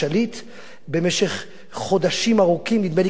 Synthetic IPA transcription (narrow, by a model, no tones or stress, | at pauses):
alit̪ | be̞meʃeχ | χo̞d̪aʃimaʁukimnid̪meli